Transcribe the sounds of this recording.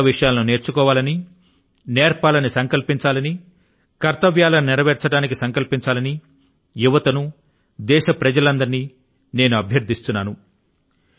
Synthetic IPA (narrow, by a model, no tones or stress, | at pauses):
ʋiʂɐjaːlɐnune̞ːɾt͡ʃukɔːʋaːlɐni | neːɾpaːlɐnisɐŋkɐlpiɲt͡ʃaːlɐni | kɐɾt̪ɐʋjaːlɐnɪɾɐʋɛːɾt͡ʃɐɽaːnik̬isɐŋkɐlpiɲt͡ʃaːlɐni | juʋɐt̪ɐnu | d̪ɛːʃɐpɾɐd͡ʒɐlɐnd̪ɐɾiniː | ne̞ːnuɐbʱjɐɾd̪ʱist̪unːaːnu